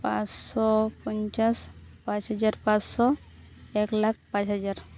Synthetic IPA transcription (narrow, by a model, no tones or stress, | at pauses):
pãssɔpɔnt͡ʃaspãt͡ʃɦad͡ʒaɾpãssɔ | ɛklak̚pãt͡ʃɦad͡ʒaɾ